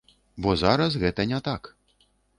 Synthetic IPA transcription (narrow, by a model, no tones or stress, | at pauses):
bɔzaɾɐsɣɛt̪ɐnʲɛt̪ak